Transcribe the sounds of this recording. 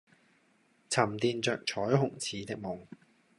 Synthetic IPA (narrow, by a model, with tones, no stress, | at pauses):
t͡sʰɐ˨˩mt̪iː˨˧nt͡sœː˨k̚t͡ʃʰɔː˨˥jɦʊ˨˩ŋt͡sʰiː˨˥t̪ɪ˧k̚mʊ˨˩ŋ